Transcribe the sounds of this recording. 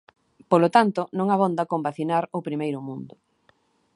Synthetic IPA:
polot̪ant̪ʊnõŋaβond̪akombaθinaɾopɾimejɾʊmũnd̪ʊ

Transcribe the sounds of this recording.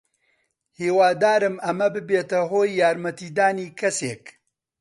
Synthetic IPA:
hiːwaːd̪aːɾɨmɐmɐbɨbeːt̪ɐɦoːjːaːɾmɐt̪iːd̪aːniːkʰɐseːk

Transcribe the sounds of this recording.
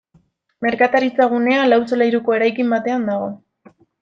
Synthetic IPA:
me̞ɾkat̪aɾit͡saɣ̞une̞alawsolajɾuko̞e̞ɾajkimbat̪e̞and̪aɣ̞o̞

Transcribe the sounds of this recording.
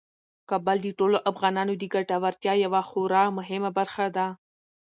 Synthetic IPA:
kɑbald̪əʈoloʔafɣɑnɑnod̪əɡaʈawaɾt̪jɑjawaxoɾɑmʊɦɪmabaɾxad̪a

